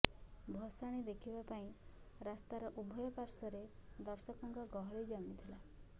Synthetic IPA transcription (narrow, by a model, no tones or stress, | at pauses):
bʱɔsaɽ̃id̪ekʰibapaĩ | ɾast̪aɾɔʔubʱɔjɔpaɾsɔɾed̪ɔɾsɔkɔŋkɔɡɔɦɔɭid͡ʒɔmit̪ʰila